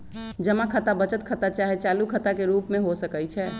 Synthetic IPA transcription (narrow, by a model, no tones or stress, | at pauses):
d͡ʒəmakʰət̪abət͡ʃət̪̚kʰət̪at͡ʃaɦet͡ʃalukʰət̪akeɾupmeɦosəkəjt͡ʃʰɛ